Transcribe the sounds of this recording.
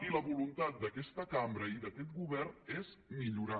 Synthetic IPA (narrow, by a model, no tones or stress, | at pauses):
iləβulunt̪at̪̚d̪əkɛst̪əkambɾəiðəkɛt̪̚ɡuβɛrnezmiʎuɾa